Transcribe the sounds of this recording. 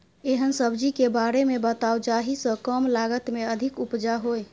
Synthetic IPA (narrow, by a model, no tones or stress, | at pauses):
eɦənsəbd͡ʒikebaɾemebət̪awd͡ʒaɦisə̃kəmlaɡət̪meəd̪ʱikupd͡ʒaɦoj